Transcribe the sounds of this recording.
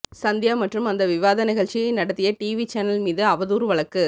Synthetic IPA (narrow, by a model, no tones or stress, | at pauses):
sɐnd̪jaːmɐʈrɯmɐnd̪ɐʋɪʋaːðɐnɪɣɐɭt͡ʃɪjɐɪnɐɽɐt̪ːɪjɐʈiːʋit͡ʃɛnɐlmiːðɯɐʋɐðuːɾʋɐɭɐkːɯ